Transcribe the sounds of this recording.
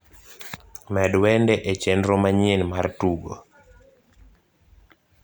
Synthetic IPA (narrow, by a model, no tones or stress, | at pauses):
mɛdwɛndɛʔet͡ʃenɾomaɲenmartuɡo̰